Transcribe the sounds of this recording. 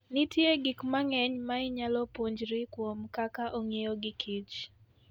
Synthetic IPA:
nɪtjeɡikmaŋɛɲmaɪɲalɔpoɲd͡ʒɾikwomkakaʔoŋjejoɡɪkʰit͡ʃ

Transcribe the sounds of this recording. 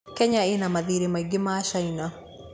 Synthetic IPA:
kɛɲaenamaðiɾemaiɡɪmaːʃaina

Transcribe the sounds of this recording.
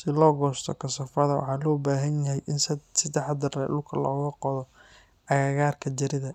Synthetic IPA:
sɪlɔːɡɔːst̪ʰɔ̰kʰɐsɐfɐðɐwɑ̰ħɑːlɔːbaːɦɐnjɐɦɛjʔɪnssɪd̪ɑħɐd̪ɐrɛːʔʊkʰɐlɔːɣɐqɔðɔ | ɐɣaːɣaːrkʰɐd͡ʒɐɾɪðɐ

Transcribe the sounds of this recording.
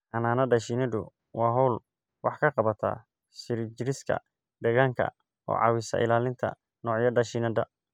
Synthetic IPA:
ʔɐnaːnɐɖɐʃinɐd̪ʊ | wɑːɦɔwl | wɑħkʰɐqɑβɐt̪ʰa̰ː | ʃɪɾɪt͡ʃɪɾɪskʰɐ̰ | ɖ̪ɛːɣaːŋkʰɐ̰ | ʔɔ̰ːʕɑ̰ːwɪsɐ̰ʔɪ̰laːlɪnt̪ʰɐ̰ | nɔːʕjɐdɐʃinɐd̪ɐ

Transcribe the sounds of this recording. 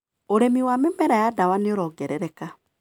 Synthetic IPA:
oɾemiwamemɛɾajadawaneoɾɔːɡɛɾɛɾɛka

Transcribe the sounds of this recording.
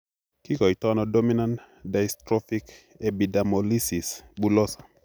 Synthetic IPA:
kikɔitɔnɔdominan | dajstɾɔfik | ebidamɔlisisbulɔsḁ

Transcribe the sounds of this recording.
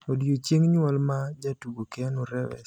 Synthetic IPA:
odjot͡ʃjeŋɲɔlmad͡ʒatuɡokɛnoɾɛwɛ̰s

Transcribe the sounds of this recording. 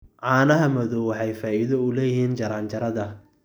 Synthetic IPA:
ʕɑːnɐɦɐmɐðɔwɑħɑjfaːiðɔʊlɛːjɪɦiːnt͡ʃɐɾaːnt͡ʃɐɾɐðɐ

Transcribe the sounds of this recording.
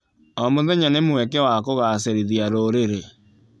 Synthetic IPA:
ɔmoðɛɲanemwɛkɛwakoɣas̬eɾiðjaɾoɾeɾe

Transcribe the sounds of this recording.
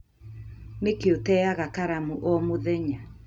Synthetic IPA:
nekeotɛaɣakaɾamuʔɔmoðɛɲa

